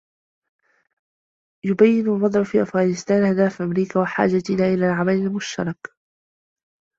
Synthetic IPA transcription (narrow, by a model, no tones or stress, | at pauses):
jʊbajːɪnalwɑd̪ˤʕʊfiːʔafɣaːnɪst̪aːnhad̪aːfʔamɾiːkaːwaħa̰ːd͡ʒat̪naːʔɪlaːlʕamalalmʊʃt̪ɑ̰ɾˤɑk